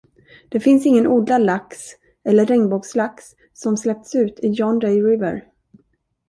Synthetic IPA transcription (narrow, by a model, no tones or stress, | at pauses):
d̪̥ɛfɪnsɪŋːənʔuːd̪lalaks | ɛlːəɾːɛŋbɔɡslaks | sɔmslɛp̚t̪sʉ̟ːt̪ʰɪjɔnɾɛjɾɪvə̰ɾ